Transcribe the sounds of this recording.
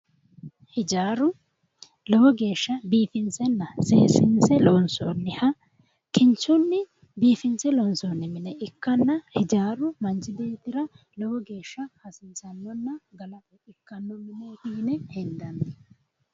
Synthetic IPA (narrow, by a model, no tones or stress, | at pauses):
hɪd͡ʒaːɾʊ | lɔwɔɡe̞ːʃːɐbiːfɪnt͡sɛnːɐseːsɪnsɛlɔnso̰ːnːɪhɐ | kɪnt͡ʃːʊnːɪ | biːfɪnsɛlɔnsoːnːɪmɪnɛʔɪkːɐnːɐhɪd͡ʒaːɾʊmɐnt͡ʃɪbe̞ːt̪ːɪɾɐ | lɔwɔɡe̞ːʃːɐhɐsɪnsɐnːɔnːɐɡɐlɐfɛɪkːɐnːɔmɪnɛt̪iːnɛhɛnd̪ɐnɪ